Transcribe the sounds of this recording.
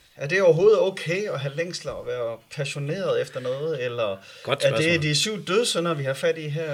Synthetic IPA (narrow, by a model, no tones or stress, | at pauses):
æɐd̥e̝ɒʊɐɦo̝ːð̞̩ˠɔ̰ːkʰeːɒ̽ɦæleŋ̰slɐɒ̽ʋæːɐpʰæɕo̝ne̝̰ːɐð̞̩ˠefd̥ɐnɔ̽ːð̩ˠelɐ̥ | æɐd̥e̝d̥isyʊ̰d̥øðˠsønɐʋihɑ̈fæd̥iɦæɐ̰